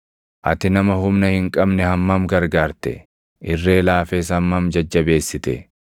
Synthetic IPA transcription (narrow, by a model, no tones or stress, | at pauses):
ʔɐt̪ɪnɐmɐɦʊmnɐhɪŋkʼɐbnɛhɐmːɐmɡɐɾɡaːɾt̪ɛ̰ | ʔɪrːe̞ːlaːfeːs̬ɐmːɐmd͡ʒɐd͡ʒːɐbe̞ːsːɪt̪ɛ̰